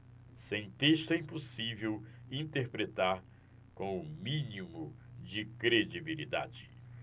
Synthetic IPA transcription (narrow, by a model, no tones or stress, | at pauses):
sẽj̃t̪eʃt̪ʊɛĩposivewĩt̪eɾpɾet̪aɾ | kõw̃ʊmĩnimʊd͡ʒɪkɾed͡ʒibilid̪a̰d͡ʒɪ